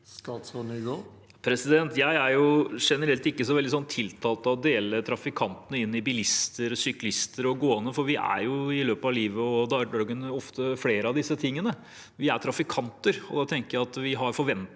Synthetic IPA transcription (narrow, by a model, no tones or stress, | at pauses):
st̪ɑːt̪sɔɳɪɡo | pʰɾɛsɪd̪ɛnt̪jæɪæɾjʊʂɛnəɾɛlt̪ɪkːəsɔʋɛld̪ɪsɔnt̪ʰːɪlt̪ʰɑːlt̪ɑɔd̪eːlət̪ʰɾɑfɪkʰɑnt̪ənəɪnːɪbɪlɪst̪əɾsʏklɪst̪əɾɔɡoːənəfɔɾʋɪʔæ̰ɾjʊɪløːpəɑʋliːʋəɔd̪ɑdɑɡənɔft̪əfleːɾəɑʋd̪ɪsːət̪ʰɪŋːənə | ʋɪæɾt̪ʰɾɑfɪkʰɑnt̪əɾɔ̰d̪ɑt̪ʰɛŋkəjæɪɑt̪ʋɪɦɑɾfɔɾʋɛnt̪